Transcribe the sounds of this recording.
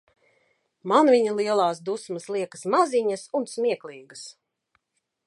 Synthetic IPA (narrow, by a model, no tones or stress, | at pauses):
manvʲiɲalˠiɛlˠaːsd̪usmɐslˠiɛkɐ̥smaziɲɐsunsmʲiɛklˠiːɡəs